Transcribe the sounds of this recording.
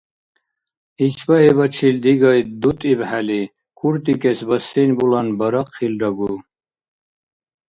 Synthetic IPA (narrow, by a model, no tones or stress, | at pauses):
it͡ʃʰbaɦibɐt͡ʃʰild̪iɡɑjd̪ut̪ʼibhali | kʰuɾt̪ikʼɛsbəsɛnʲbulanbəɾɑqʰːilɾɐɡu